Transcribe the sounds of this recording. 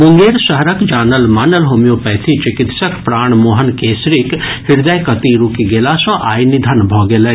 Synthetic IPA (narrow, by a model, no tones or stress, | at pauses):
bʊŋɡeːɾsəɦɾəkd͡ʒaːnəlmaːnəlɦoːmijopɛːt̪ʰit͡ʃɪkɪt̪səkpɾaːɳmoːɦənkeːsɾikhɪɾd̪əjkət̪iɾukiɡeːlasɔ̃ʔa̰ːjnid̪ʱənbʱɔɡelɛ